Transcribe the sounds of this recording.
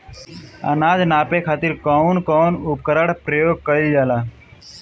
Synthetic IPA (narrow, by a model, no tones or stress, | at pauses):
ə̰naːd͡ʒnaːpekʰaːt̪ɪɾkɔːnkɔːnʊp̚kəɾəɽpɾəjoːɡ̚kəild͡ʒaːlaː